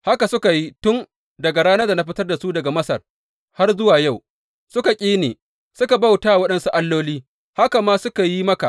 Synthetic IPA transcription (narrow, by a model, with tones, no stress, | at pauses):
ha˦ka˨sʊ˦ka˨ji˦tʊ˦n | dɐ˨ɡa˨ɽaː˦nɐ˦da˨na˦ɸ̬ɪ˦tɐ˦rda˨su˦dɐ˨ɡa˨mɐ˦sɐ̰˨r | ha˦rzʊ˦waː˨ja˦˨w | sʊ˦ka˨kʲʼeː˦neː˨ | sʊ˦ka˨ba˦˨wtaː˦wɐ˦ɗɐ˦nsu˦ʔa˦lːoː˦liː˦ | ha˦ka˨maː˦sʊ˦ka˨ji˦mɐ˦ka̰˨ʔ